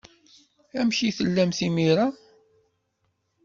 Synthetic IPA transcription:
æmʃiθəlːæmθimiɾa

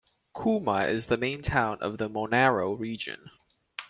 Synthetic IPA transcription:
kʰuməɪzðəmẽɪ̃ntʰãʊ̃nʔʌ̰vðəmɔnɛæɹoʊɹid͡ʒɨ̰̃n

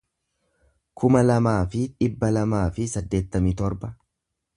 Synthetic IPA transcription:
kʰʊmɐlɐmaːfɪᶑɪbːɐlɐmaːfɪsɐd̪ːe̞ːt̪ːɐmit̪ɔɾbɐ

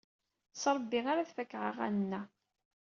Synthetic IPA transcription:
sɾˤəbːiʁaɾaθfækːʕə̰ʁæ̰nənːæ

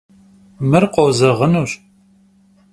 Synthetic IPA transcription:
mɨrqʷozɐʁənuːɕ

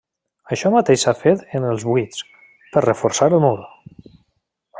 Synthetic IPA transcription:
əʃɔmət̪eʃsafet̪ənəlˠzβwit͡s | pəɾrəfuɾsaɾəlˠmuɾ

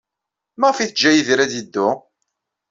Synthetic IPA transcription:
mæʁfiθd͡ʒːæjiðɾæd̪id̪ːʊ

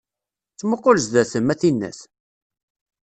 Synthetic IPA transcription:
t͡sːməqːoləsðæθəmːæθinːæ̰s

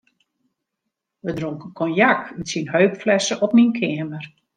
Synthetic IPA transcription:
ʋədroŋkəkʰɔnjakynsinɦøɥkflɛsəʔɔp̚minkʰɪəmər

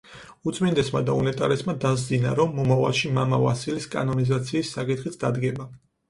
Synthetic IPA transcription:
ut̪sʼmind̪ɛsmad̪aunɛt̪ʼaɾɛsmad̪azd̪ina̰ɾɔmːɔmava̰lˠʃimamava̰siliskʼa̰nɔnizat̪sʰiːsːakʼit̪χit̪sʰd̪ad̪ɡɛba

